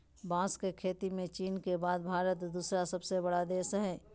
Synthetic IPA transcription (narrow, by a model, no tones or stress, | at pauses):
bãːskekʰeːt̪imẽt͡ʃiːnkebaːd̪̚bʱaːɾət̪d̪uːsɾasɐbsebəɽad̪eːsɦɛː